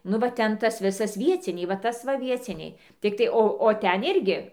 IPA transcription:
ˈnʊ ʋɐ ˈtʲɛn ˈtɐs ˈʋʲɪsɐs ˈʋʲiɛt͡sʲɪnʲɛɪ ʋɐ ˈtɐs ʋɐ ˈʋʲiɛt͡sʲɪnʲɛɪ ˈtʲɪktɐɪ ˈoː oː ˈtʲɛn ˈɪrʲɡʲɪ

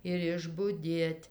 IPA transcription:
ɪr ɪʒbʊˈdʲeːtʲ

